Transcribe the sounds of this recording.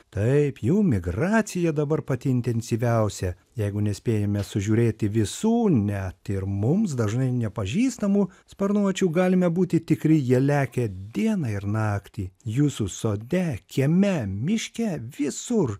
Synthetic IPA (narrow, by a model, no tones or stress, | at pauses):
t̪ɐɪpjuːmʲɪɡrɑːt̪sʲɪjɛd̪ɐbɐrpɐt̪ʲɪɪnʲt̪ʲɛnʲsʲiʋʲɛʊsʲɛ | jɛɪɡʊnʲɛsʲpʲeːjɛmʲɛsʊʒʲuːɾʲeːt̪ʲɪʋʲɪsuːnʲɛt̪ɪɾmʊmsd̪ɐʒnɐɪnʲɛpɐʒʲiːst̪ɐmuːspʲɐɾnuɔt͡ʃʲuɡɑːlʲɪmʲɛbuːt̪ʲɪt̪ʲɪkɾʲɪjiɛlʲæːkʲɛd̪ʲiɛnɐɪɾnɑːkt̪ʲiːjuːsusoːd̪ʲɛkʲɛmʲɛmʲɪʃʲkʲɛʋʲɪsʊr